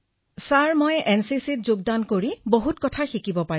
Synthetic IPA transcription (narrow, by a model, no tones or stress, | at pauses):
saɹmojɛnsisit̚zoɡ̚dankoɹiboɦutkɔtʰaxikibɔpa